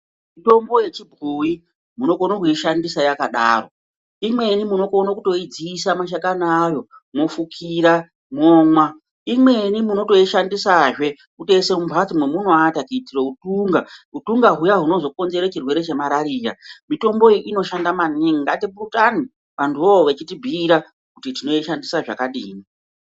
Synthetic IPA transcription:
mito̞mbo̞je̞t͡ʃibʱuji | muno̞konokuiʃandisajakaɗa̰ːro̞̰ | imwe̞nimuno̞ko̞nakuto̞id͡ziːsamaʃ̬akanajo̞ | mofukʰiɾa | moːŋwa | imwe̞nimuno̞to̞iʃandisaʐe̞ | ute̞se̞mumbʱat͡simwemunoatakiitiroutuŋɡautuŋɡaɦujaɦuno̞zo̞ko̞nze̞ɾet͡ʃirwe̞ɾe̞t͡ʃe̞maɾaɾiːɾamito̞mbo̞ʔino̞ʃandamaniŋiŋɡatiɓurutani | panduoʋet͡ʃitibʱiːɾa | kutitino̞iʃandisaʐa̰kaɗḭːni

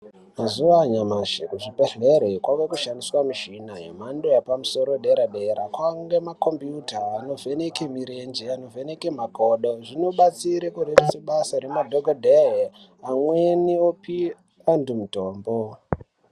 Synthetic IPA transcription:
mazuʋaɲamaʃekuʐipeɬeɾekwakekuʃandiswamiʃinajḛmandojapamuso̞ɾoɗeɾaɗeɾakwaŋɡemako̞mbjutaːno̞vʱenekemiɾend͡ʒeano̞vʱenekemakoɗo̞ʐino̞ɓat͡siɾekuɾeriseɓasaɾemadʱoɡʱodʱee | amweniopi | andumutoːmbo

